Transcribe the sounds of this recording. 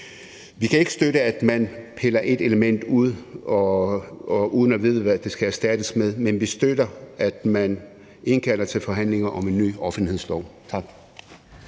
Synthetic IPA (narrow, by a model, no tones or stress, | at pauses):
ʋikʰæe̝ɡ̥sd̥øɾəæd̥mænpʰelɐʔe̝d̥e̝ləmen̰d̥uð̞̰ˠɒ | uːð̞ˠnɒʋið̞ˠəʋæd̥e̝sɡ̥ææɐsd̥æd̥əsmeð̞ˠmenʋisd̥ød̥ɐæd̥mæn | e̝nkʰæl̰ɐt͡sʰe̝lfɒ̽ɦæn̰le̝ŋɐʔɒ̽me̝nːy̰ːɒ̽fən̩lihe̝slɒʊt͡sʰɑ̈ɡ̥